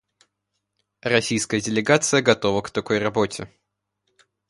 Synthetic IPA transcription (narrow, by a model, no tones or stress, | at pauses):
rɐsʲijskəjədʲɪlʲɪɡat̪sɨjəɡɐt̪o̞vəkt̪ɐko̞jrɐbo̞tʲɪ